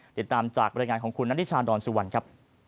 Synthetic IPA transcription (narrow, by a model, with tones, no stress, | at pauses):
t̪i˨˩t̪ːaː˧mt͡ɕaː˨˩k̚ɾaː˧jŋaː˧nkʰɔː˩˦ŋkʰu˧nːa˥˦i˥t͡ɕʰaː˧ndɔː˧nsu˧wa˧nkʰɾa˦˥p̚